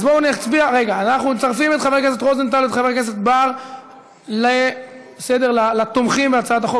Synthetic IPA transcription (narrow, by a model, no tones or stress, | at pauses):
azboniat͡sbiaʁe̞ɡaːnaχnut͡saʁfimetχavekes̬etʁozent̪aluet̪χavekes̬etbaʁ | le | esed̪eʁlalat̪omχimbeat͡saat̪aχo